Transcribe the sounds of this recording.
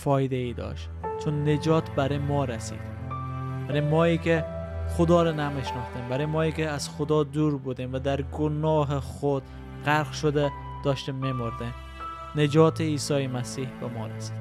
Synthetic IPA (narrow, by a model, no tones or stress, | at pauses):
fɒːjd̪eid̪ɒ̰ʃt̪t͡ʃʰʊnːed͡ʒɒːt̪bæɾemɒɾæsḭd̪̥ | b̥æɾemɒːikʲeχod̪ɒːɾɒnæmeʃnɔχt̪embæɾemɒːikʲeæz̥xod̪ɒd̪uɾbud̪imvæd̪æɾɡonɒːɦeχod̪ | qaɾqʃod̪e | d̪̥ɒːʃt̪emːemoɾd̪em | ned͡ʒɒːt̪ʰeiːsɒːjemæsiːhbemɒ̰ɾæsi̥d̪